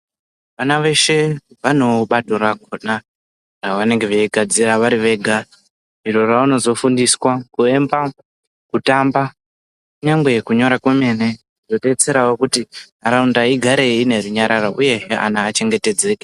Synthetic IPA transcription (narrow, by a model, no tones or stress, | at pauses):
ʋanaʋe̞ʃe̞ | ʋano̞ɓato̞ɾakona | raʋane̞ŋɡe̞ʋeiɡʱad͡ziraʋaɾiʋe̞ɡʱa | iro̞rauno̞zo̞fundiswakue̞mba | kutamba | kuɲaŋɡwe̞ekuɲo̞ɾakweme̞ne̞ | inoɗe̞t͡se̞ɾawokuti | aɾaundaiɡʱaɾe̞ine̞ruɲaɾʔaɾaʔuje̞ɦeʔa̰naːt͡ʃe̞ŋɡe̞te̞d͡ze̞ːke